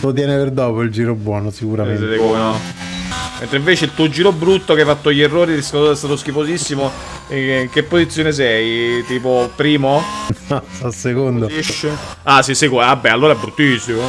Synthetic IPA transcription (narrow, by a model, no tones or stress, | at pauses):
lot̪̬jɛːneperd̪ɔːpoild͡ʒiːɾobwɔːnosikuɾaeno | ment̪ɾeiɱveːt͡ʃeilt̪uːod͡ʒiːɾobɾut̪ːokeajfat̪ːoʎːerːoːɾiskaɛst̪at̪oskifozisːimo | iŋk̟epːozit̪sːjoːnes̬ɛjt̪iːpopɾiːmoɔsasːekond̪oiʃːeasisɛjkoabːɛalːoːɾaɛbɾut̪ːisːimo